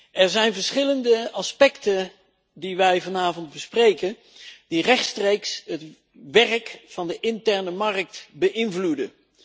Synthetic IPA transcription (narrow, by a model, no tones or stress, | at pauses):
ʔɛɹzɛjnvəɹsχɪləndəɑspɛktən | diʋɛjvɑnaːvɔnd̚bəsprejkən | d̥irɛχtstrejksɦət | ʋɛrkfɑndəʔɪntɛɹnəmɑrk̚tbəʔɪnvludə